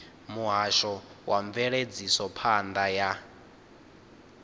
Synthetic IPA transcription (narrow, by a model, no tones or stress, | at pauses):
muɦaʃɔwaɱvɛɺed͡zisɔpʰand̪aja